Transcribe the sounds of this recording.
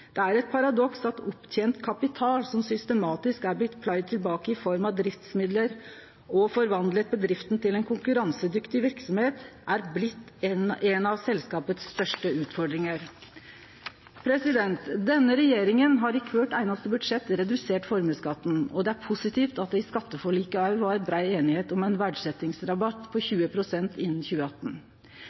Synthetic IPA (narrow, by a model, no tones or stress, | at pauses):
d̪̥ɛæɾɛt̪̚pʰɑɾɑd̪ɔksɑt̪ɔpːt̪ʰjeːnt̪kʰɑpɪt̪ʰɑːlsɔmsʏst̪əmɑːt̪ɪskæɾblɪt̪ːpʰlɑɪd̪̚t̪ʰːɪlbɑːkəɪfɔɾmɑd̪ɾɪft̪smɪd̪ləɾ | ɔfɔɾʋɑnd̪lət̪̚bəd̪ɾɪft̪n̩t̪ɪlɛnkʰʊŋkʉɾɑŋsəd̪ʏkt̪ɪʋɪɾksɔmheːt̪ʔæɾblɪt̪ːnɛnɑʋsɛlskɑːpət̪sːt̪œʂʈəʉːt̪fɔɖɾɪŋəɾ | pʰɾɛsɪd̪ɛnt̪d̪ɛnːəɾɛjeːɾɪŋənɦɑɾɪkʰʋøʈæɪnɑst̪əbʉd̪ʂɛt̪ːɾɛd̪ʉseːʈfɔɾməskɑt̪ːn̩ɔd̪ɛæɾpʰʊsɪt̪ʰiːft̪ɑt̪̚d̪ɛɪskɑt̪ːəfɔɭiːkəɑʉʋɑɾbɾɑɪeːnɪheːt̪ɔmæɪnʋæɖʂɛt̪ːɪŋsɾɑbɑt̪pʰɔçʉːəpʰɾʊsɛnt̪ɪnːn̩çʉːəɑt̪ːn̩